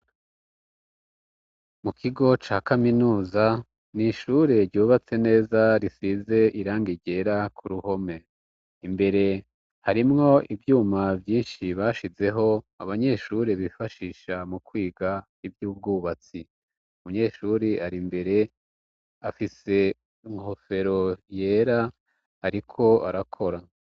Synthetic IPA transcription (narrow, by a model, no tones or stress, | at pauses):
mukʰiɡo̞t͡ʃaːkaminuːza | niʃuɾe̞ɾɟuːβat͡se̞ne̞ːzaɾisize̞ʔiɾaːŋɡiɟe̞ɾakʰuɾuho̞me̞ | imbe̞ɾe̞ | haɾimŋo̞ivjuːmavjiːnʃiβaːʃize̞ɦo̞ | aβaɲe̞ʃuːɾeβifaʃiːʃamukwiːɡa | ivjuːb̚ɡuːβat͡si | umuɲe̞ʃuɾiaɾimbe̞ɾe̞ | afise̞ | iŋho̞fe̞ɾo̞je̞ːɾa | haɾikʰo̞a̰ɾakʰo̞ɾa